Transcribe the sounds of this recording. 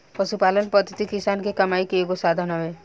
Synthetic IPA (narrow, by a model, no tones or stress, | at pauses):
pəʃupaːlənpɔd̪ʱət̪ikisaːnkekɐmaːikeeɡosad̪ʱənɦɔʋe